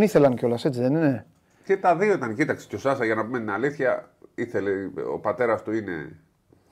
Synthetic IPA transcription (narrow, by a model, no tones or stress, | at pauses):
niθe̞lɐnceo̞lɐse̞t͡siðe̞nine̞ | cet̪ɐðio̞it̪ɐncit̪ɐkse̥co̞sɐsɐʝɐnɐpumet̪inaliθçɐ̰iθe̞leo̰pat̪e̞ɾɐst̪uine̞̰